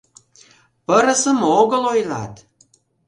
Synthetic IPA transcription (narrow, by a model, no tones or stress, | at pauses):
pəɾə̆səmoɣə̆lojlɑ̰t̪